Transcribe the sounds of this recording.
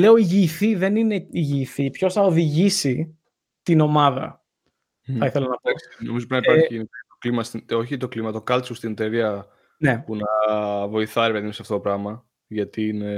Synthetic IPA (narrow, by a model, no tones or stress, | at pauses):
le̞o̞iʝiːθiðe̞nine̞iʝiːθipço̞sθɐoðiʝisi | t̪ino̞mɐðɐ̰ | θɐiθe̞lɐnɐplɐksnomizopɾinɐiɐɾçinikɐt̪oklimɐst̪io̞çit̪o̞klimɐt̪o̞kɐlt͡sust̪int̪eɾiɐ | ne̞punɐvo̞iθɐeɾepeðimsɐft̪oopɾɐmɐ | ʝɐt̪ine